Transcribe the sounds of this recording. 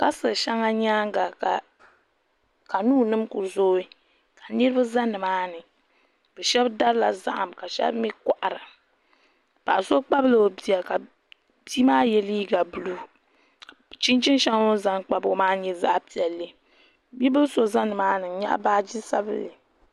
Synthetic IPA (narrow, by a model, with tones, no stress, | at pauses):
ka˦sɨ˨ʃa˦ŋa˦ɲaː˦ŋ˦ɡa˨ka˨ | ka˨nuː˦nɨ˦mkʊ˨zoː˦i˦ | ka˨nɨ˦ɾɨ˦a˦za˦nɨ˨maː˦nɨ˨ | b̥ɛ˨ʃɛ˦bda˦ɾɨ˦la̰˨za̰˦ʔa˨mka˨ʃɛ̰˦bmi˦ka˨ʔa˨ɾɨ˨ | pa˨ʔa˨so˦k͡pa˦blɨ˨o˨bi˨a˨ka˨ | bi˦maː˦jɛ˨liː˦ɡa˨bu˨lu˦˨ | t͡ʃi˦nt͡ʃi˦n˦ʃa˦ŋ˦o˦za˦ŋk͡pa˦bo˦maː˦ɲɛ˦za̰˦ʔpi˨ɛ˨lːɨ˦ | bi˦bɨ˦so˦za˦nːɨ˨maː˦nɨ˨˦ɲa̰˦ʔbaː˦d͡ʒi˦sa˦bɨ˦lɨ˨